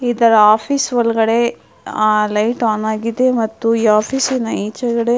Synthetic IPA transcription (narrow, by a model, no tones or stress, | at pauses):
id̪ɐɾɐaːpʰisʋɐlɐɡɐɽe̞ | lɐjʈaːnaːɡid̪emɐt̪ːuiaːpʰisinɐiːt͡ʃɐɡɐɽe